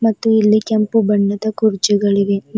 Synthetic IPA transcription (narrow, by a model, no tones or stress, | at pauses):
mɐt̪ːuilːikempubɐɳːɐd̪ɐkuɾd͡ʒuɡɐɭiʋ̪e